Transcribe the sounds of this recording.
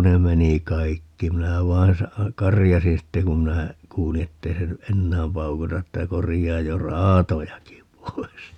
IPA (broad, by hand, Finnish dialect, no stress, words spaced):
ne meni kɑikːi minæ ʋɑin sɑ kɑrijɑsin sitːe kum minæ kuːli etːei se ny ʔenːæːm pɑukutɑ etːæ korijɑːj jo rɑːtojɑki pois